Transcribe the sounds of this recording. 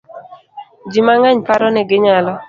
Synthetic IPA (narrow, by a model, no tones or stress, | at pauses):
d͡ʒimaŋaɲpaɾɔnɛɡɪɲalɔ